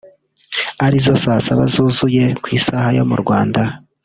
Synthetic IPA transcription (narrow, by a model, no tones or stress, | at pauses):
aɾizosasaβa̰zuːzuje̞kwiːsaːhajo̞mṵɾɡwaːnda